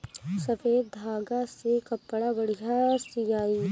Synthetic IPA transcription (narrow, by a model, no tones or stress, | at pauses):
sɐfeːd̪d̪ʱaːɡasekɐpːɽabɐɽijasijaːi